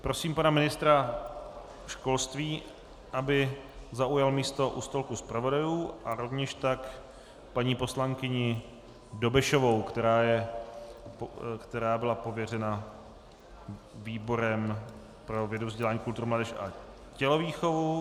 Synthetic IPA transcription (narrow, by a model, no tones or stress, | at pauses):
pɾo̞siːmpanamɪnɪst̪ɾa | ʃko̞lst̪viː | ʔabɪzaujalmiːst̪o̞ʔṵst̪olkuspɾavo̞dajuːʔaɾo̞vɲɛʃt̪ak | paɲiːpo̞slaŋkɪɲɪ | do̞bɪʃovo̞wkt̪ɛɾaːjɛ | kt̪ɛɾaːbɪlapo̞vjɛrɛna | viːbo̞ɾɛm | pɾo̞vjɛdovzɟɛlaːɲiːkult̪uɾumladɛʃʔa̰ | cɛloviːxo̞vu